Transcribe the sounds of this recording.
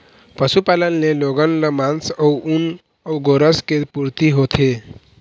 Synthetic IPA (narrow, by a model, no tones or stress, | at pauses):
pəsupalənːeloɡənləmansəuun | əuɡoɾəskepuɾt̪iɦot̪ʰe